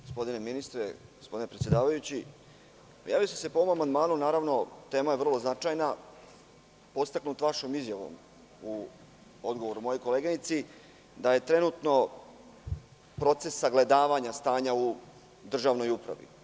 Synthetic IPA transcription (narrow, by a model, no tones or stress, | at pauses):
ɡospo̞d̪ine̞minist̪ɾḛɡospo̞d̪inepɾesjed̪aːʋajut͡ɕi | jaːʋijosesepoʋomamand̪maːnunaːɾaʋno̞t̪e̞ːmajevr̩lˠo̞znat͡ʃajna | po̞t̪st̪aknut̪ʋaʃomizjaʋo̞̰m | u | o̞d̪ɡo̞ʋo̞ɾumo̞jo̞jko̞leɡanit̪si | d̪aje̞t̪ɾe̞nut̪no̞ | pɾo̞t̪se̞sːaɡle̞d̪aːʋaɲast̪aːɲau | d̪r̩ʒaːʋno̞jupɾa̰ʋḭ